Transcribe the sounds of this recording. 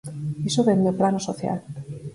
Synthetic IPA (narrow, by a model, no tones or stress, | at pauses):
esoβend̪eplanosoθja̰l